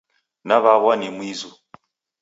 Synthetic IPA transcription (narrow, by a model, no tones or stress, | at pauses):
naβaβwanimwizu